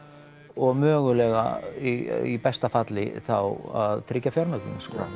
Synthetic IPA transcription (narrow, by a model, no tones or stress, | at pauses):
ɔɣmœːɣʏlɛɣa̰iipɛst̪afat̪lɪ̰θawa̰ðt̪ʰɾɪcːafjaɾmœk̪ʏnaskɔ̰